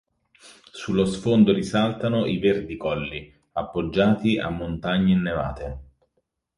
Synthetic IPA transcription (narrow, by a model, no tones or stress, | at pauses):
sulːosfond̪oɾisalt̪anoʔiverd̪ikɔlːi | apːod͡ʒːaːt̪iʔa̰mːont̪aɲːeinːeva̰ːt̪e